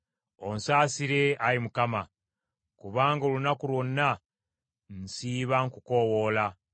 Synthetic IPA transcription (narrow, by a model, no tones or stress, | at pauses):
o̞nsaːsiɾe̞aɾimukama | kuβaːŋɡolunakulwo̞nːa | n̩siːβaŋkuko̞wo̞la